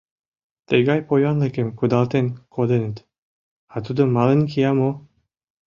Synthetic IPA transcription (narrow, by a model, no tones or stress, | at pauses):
t̪eɡɑjpojɑnlekemkud̪ɑlt̪enkʰod̪enət̪ | ɑt̪ud̪əmːɑlenkijɑmo